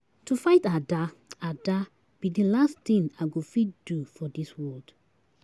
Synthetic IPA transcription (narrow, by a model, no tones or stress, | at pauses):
tufaɪtada | ada | b̥idilast̪ĩnaɡofit̚d̥ufɔdiswɔld̥